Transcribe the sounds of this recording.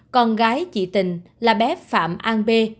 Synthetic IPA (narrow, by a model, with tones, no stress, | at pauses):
kɔ˧nɣaː˨˦jt͡ɕḭ˧˨t̪ï˨˩ŋ̟laː˨˩ɓɛ˨˦fa̰ː˧˨mʔaː˧nɓe˧